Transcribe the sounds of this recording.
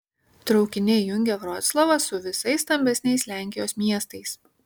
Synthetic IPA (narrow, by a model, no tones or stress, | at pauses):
t̪ɾɒʊkʲɪnʲɪjʊŋʲɡʲɛɡɾɔːt̪slˠɐʋɐsʊʋʲɪsɐɪsːt̪ɐmʲbʲɛsʲnʲɛɪslʲæˑŋʲkʲɪjoːsmʲiɛst̪ɐɪs